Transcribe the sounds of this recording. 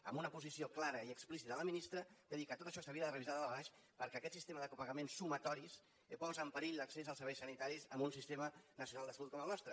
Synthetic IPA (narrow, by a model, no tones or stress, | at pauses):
ə̰mbunəpuzisioklaɾəiəksplisit̪əələminist̪ɾəd̪̥əðikət̪ot̪əʃɔsəβiəðərəβizaðəlβaʃ | pəɾkɛəkɛt̪sist̪eməðəkupəɣəmensːumət̪ɔɾis | pɔzəmpəɾiʎləksezəlˠsəɾβɛjsənit̪aɾizəmbunsist̪emənəsiunalˠd̪əsəlut̪̚kɔməlˠnɔst̪ɾə